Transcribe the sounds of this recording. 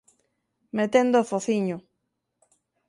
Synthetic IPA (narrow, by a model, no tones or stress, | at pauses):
met̪end̪ofoθiɲo